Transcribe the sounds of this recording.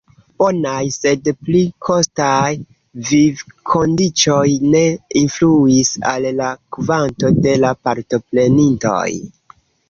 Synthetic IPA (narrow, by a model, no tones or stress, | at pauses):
b̥o̞najse̞dplikʰo̞staj | vivkʰo̞ndit͡ʃo̞jne̞influisa̰lːakvanto̞de̞lapaɾto̞ple̞ninto̞̰j